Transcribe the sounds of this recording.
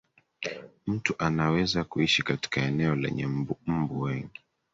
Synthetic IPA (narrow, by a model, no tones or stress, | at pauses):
m̩tuʔanawɛzakuiʃikati̥kaɛnɛɔlɛ̰ɲɛm̩buwɛŋɡi